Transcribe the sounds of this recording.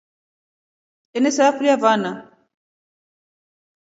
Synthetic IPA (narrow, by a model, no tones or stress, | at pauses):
ɛnɛsaafɾiavana